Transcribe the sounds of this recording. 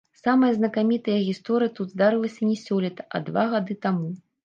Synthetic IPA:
samɨjɐznɐkamʲit̪ɨjɐɣʲist̪ɔɾɨjɐt̪ud̪zd̪aɾɨlˠɐsʲɐnʲɛsʲɔlʲɛt̪ɐ̥ʔɐ̰d̪vaɣad̪ɨt̪amu

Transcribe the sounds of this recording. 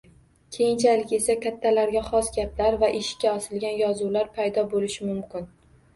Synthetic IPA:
kʲʰe̞jɪnt͡ʃʰalɪkʲe̞sakʲʰat̪ʰːalaɾɡʲaχɒsɡʲaplaɾvaʔɪʃɪ̥kʲːaɒsɪlɡʲanjɒzulaɾpʰajd̪ɒbolɪʃɪmʊmkʲɪn

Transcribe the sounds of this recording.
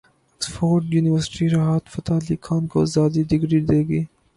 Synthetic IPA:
ɐksfoːɾɖjuːnɪʋəɾsɪ̥ʈiɾaɦaːt̪fɐt̪aːlikʰaːnkozaːd̪id̪ɪɡɾiːd̪eːɡiː

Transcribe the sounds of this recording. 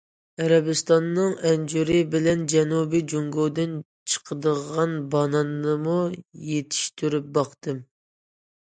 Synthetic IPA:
æɾɛbɨst̪ɑnːɨŋɛnd͡ʒuɾɨbɪlɛnd͡ʒɛnubid͡ʒuŋɡod̪ɨn | t͡ʃʰə̥qʰəd̪əʁɑnbɑnɑnːɨmujet̪ʰi̥ʃt̪ʰyɾyp̚bɑqt̪ɨm

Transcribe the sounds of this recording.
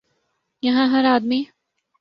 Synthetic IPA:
jɐɦãɦɐɾaːd̪miː

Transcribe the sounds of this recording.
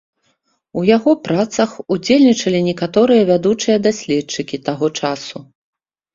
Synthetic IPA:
ujaɣɔpɾat̪sɐxud͡zʲelʲnʲit͡ʂɐlʲinʲɛkat̪ɔɾɨjɐvʲad̪ut͡ʂɨjɐd̪asʲlʲɛtt͡ʂɨkʲit̪aɣɔt͡ʂasu

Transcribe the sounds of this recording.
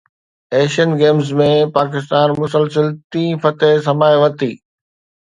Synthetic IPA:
ɛːʃənɡeːmzmẽpaːk̬ɪst̪aːnmʊsəlsəlt̪ĩːfɐt̪eɦs̬ɐmaːjʋɐt̪iː

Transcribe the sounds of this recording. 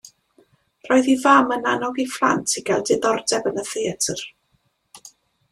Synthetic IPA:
r̥ɔɨðivamənanɔɡifrˠa̰ntʰiɡɛlˠdɨðɔrdɛbənəθiətʰər

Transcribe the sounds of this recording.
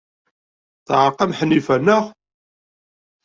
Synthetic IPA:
θʕqːɑmħənːifænːəχ

